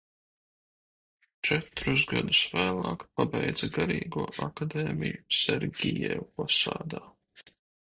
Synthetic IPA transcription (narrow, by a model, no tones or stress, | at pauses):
t͡ʃɛt̪ɾuzɡad̪usvæːlˠɑːkpabɛjd̪zaɡaɾiːɡuɔʔakad̪ɛːmʲijusɛɾɡʲijɛupasa̰ːd̪aː